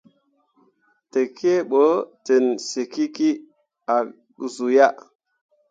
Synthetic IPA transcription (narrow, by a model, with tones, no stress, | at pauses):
te˨ki˦e˦ɓo˨˦te˨nse˨ki˦ki˦ | a˨ | zu˨ja˦ʔ